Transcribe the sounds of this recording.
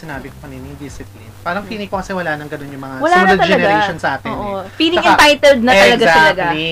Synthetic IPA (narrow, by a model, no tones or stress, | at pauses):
sɪnaːbɪkopɐnɛnib̪isɪt̪lipaːɾɐŋfiːnɪkːokɐsɛwɐlaːnɐŋɡɐno̞njʊŋmɐŋawɐlanɐt̪ɐld͡ʒɐnɛɡaɾɛʃonsɐʔaːt̪ɪʔofiːlɪŋʔɪ̃nt̪ajt̪ɛld̪̚nɐɐllɐɡat̪ɐlɐɡai